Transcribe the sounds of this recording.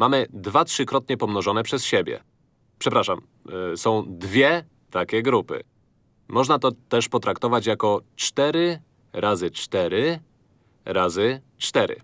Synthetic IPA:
mamɘd̪vatʂɘkɾɔt̪̚ɲɛpɔmnɔʐɔnɛpʂɛsɕebʲjɛ̰ | pʂɛpɾaʂam | sɔ̃w̃d̪vʲjɛ | t̪akʲɛɡɾupɘ̰ | mɔʐnat̪ɔt̪ɛʂpɔt̪ɾakt̪ɔvat͡ɕjakɔt͡ʂt̪ɛɾɘ | ɾʔazɘt͡ʂt̪ɛɾɘ | ɾazɘ | t͡ʂt̪ɛɾɘ̰

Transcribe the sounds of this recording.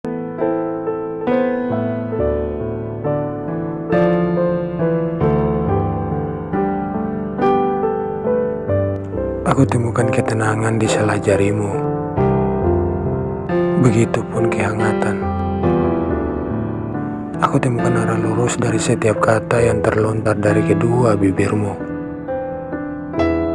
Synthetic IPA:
ʔakut̪imukankɛt̪ənaŋandisəlad͡ʒaɾimu | bəɡit̪upʊnkɛɦaŋat̪an | akut̪əmukanaɾaluɾʊsdaɾisət̪iap̚kat̪ajaŋt̪ərlɔnt̪ardaɾikəduabibirmu

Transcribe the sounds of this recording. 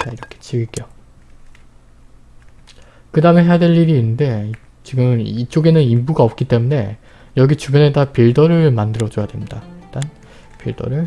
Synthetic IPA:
t͡ɕaiɾʌkʰe̥t͡ɕiɡik͈eo | kɯdameɦe̞jadwe̞ʎːiɾiːnːɯnde̞ | t͡ɕiɡɯmit͡ɕ͈oɡe̞nɯnimbuɡaʌp̚k͈it͈e̞mune̞ | jʌɡit͡ɕubjʌnɦetapiɭdʌɾɯɭmandɯɾʌd͡ʑʌjadwe̞mɲidait͈an | piɭdʌ̰ɾɯɭ

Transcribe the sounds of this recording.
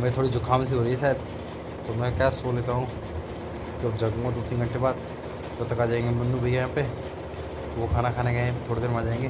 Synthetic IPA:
meːt̪ʰoːɽid͡ʒʊkʰaːmsiɦoːɾəiɛsɛːd̪̚ | t̪omɛ̃kjaːsoːleːt̪aɦũː | kiɐbd͡ʒaɡõad̪oːt̪ĩɡə̃ɳʈebaːd̪ | t̪ot̪ɐkaːd͡ʒaːẽːŋɡemʊnːũbʱəijãːpe | ʋokʰaːnakʰaːneɡaẽt̪ʰoːɽed̪eːɾmãːd͡ʒaːẽːŋɡeː

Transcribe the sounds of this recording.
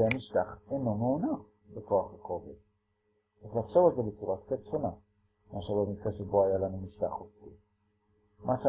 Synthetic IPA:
eamiʃtaχeno̞meuna | bekoaχakovid | t͡sʁiχlaχʃo̞valzebet͡suʁakt͡satʃo̞na | maʃaʁbemikʁeʃeboajalanumiʃta̰χofti | maʃa

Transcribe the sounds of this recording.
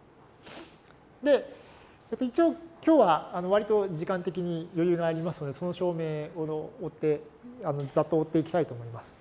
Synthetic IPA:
d̪e̞ | et̪ːoit͡ɕioːkʲo̞ːβaːno̞βaɾʲit̪o̞d͡ʑikãnt̪e̞kʲiɲ̟ijo̞jɯ̟ːɡaːɾʲimasɨnod̪e̞so̞no̞ɕo̞ːme̞ːoːt̪ːe | ano̞zat̪ːo̞ːt̪ːe̞ikʲi̥t̪ait̪o̞ːmo̞imasɨ̥

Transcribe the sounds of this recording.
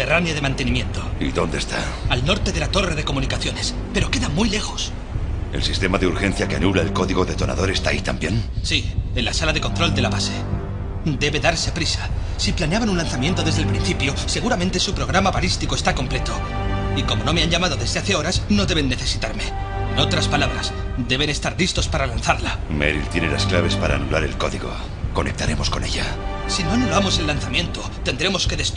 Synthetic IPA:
teranjaðe̞mãnt̪e̞nĩmjẽ̞nt̪o̞ḭðo̞nd̪est̪a̰ | alno̞ɾt̪e̞ðe̞lat̪o̞re̞ðe̞ko̞mũnikaθjo̞ne̞s | pe̞ɾo̞ke̞ðamujle̞xo̞s | e̞̰lsist̪emaðeuɾxẽ̞nθjakea̰nulaelko̞ðiɣo̞ðe̞t̪o̞nʔa̰ðo̞ɾe̞st̪a̰it̪ambje̞nsie̞nlasalaðe̞kont̪ɾo̞ld̪e̞laβase̞ | d̪e̞βe̞ðaɾse̞pɾisḁ | siplaneaβanunlanθamje̞nt̪o̞ðe̞zðelpɾin̟θipjo̞se̞ɣ̞uɾamẽ̞nt̪esupɾo̞ɣ̞ɾamaβalist̪iko̞est̪ako̞mple̞t̪o̞ | iko̞mo̞no̞me̞aɲʝamaðoðe̞zðe̞aθe̞o̞ɾasno̞ðeβe̞nːe̞θe̞sit̪aɾme̞ | no̞t̪ɾaspalaβɾa̰s | d̪e̞βe̞nest̪aɾlist̪o̞spaɾalanθaɾlamḛɾḭlt̪jenelasklaβe̞spaɾa̰ːnulaɾe̞̰lko̞ðiɣo̞̰ | ko̞nek̚t̪aɾe̞mo̞skone̞̰ʝasino̞noloamo̞se̞nlːanθamjẽ̞nt̪ot̪e̞nd̪ɾe̞mo̞ske̞ðe̞s

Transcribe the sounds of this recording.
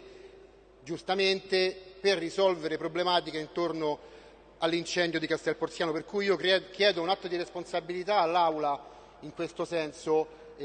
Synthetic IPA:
d͡ʒust̪ament̪eperːisɔlveɾepɾoblemaːt̪̬ikeint̪orno | alːint͡ʃɛnd̪jod̪ikast̪ɛlport̪sjaːnoperkujiːokɛk̟jɛːd̪ounat̪ːod̪iɾesponsabilit̪aːlːawla | iŋkwest̪osɛnso

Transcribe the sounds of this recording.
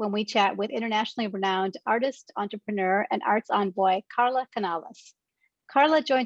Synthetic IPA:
wə̃nwit͡ʃʰæʔ̚wɪðɪ̃ɾ̃ə˞næʃnl̩ˠiɹɨnãʊ̃ndɑɹɾɨstɑ̃ntɹ̥əpʰɹɨnɜ˞ɨ̰̃nʔɑ̰ɹtsɑ̃nbɔɪkʰɑɹlˠəkʰɨnɑlˠə̰s | kʰɑɹlˠəd͡ʒɔ̃ɪ̃n

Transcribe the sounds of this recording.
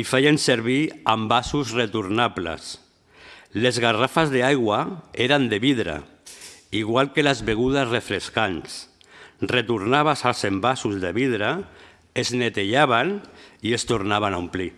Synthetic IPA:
ifejenseɾβ̞iambasuzret̪uɾnaplḛs | lezɣarafazðeajɣwaeɾand̪eβiðɾa̰ | iɣ̞walˠkelazβeɣ̞uðasrefɾeskans | ret̪uɾnaβ̞asalˠsembasuzðeβiðɾa | eznet̪eʎaβ̞aniest̪uɾnaβanaumpli

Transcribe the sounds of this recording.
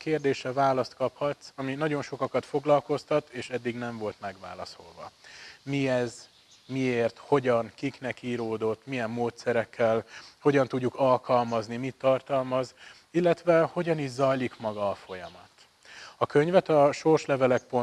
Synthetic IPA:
keːrd̪eːʃɛvaːlɒst̪kɒphɒt̪sɒminɒɟo̞nʃo̞kɒkɒt̪fo̞ɡlɒlko̞st̪ɒt̪eːʃɛd̪ːiɡnɛɱvo̞lt̪mɛɡʋa̰ːlɒ̰so̞̰lvɒ̰miɛz | mieːrt̪ho̞ɟɒŋkiknɛkiːɾoːd̪o̞t̪ːmijɛmːoːt̪sɛɾɛkːɛlho̞ɟɒnt̪uɟːukɒlkɒlmɒznimit̪ːɒrt̪ɒlmɒz | ilːɛt̪ʋɛho̞ɟɒniːʒzɒjlikmɒɡɒːfo̞jɒmɒt̪ | ɒkø̞ɲvɛt̪ɒʃo̞rʃlɛvɛlɛk̚po

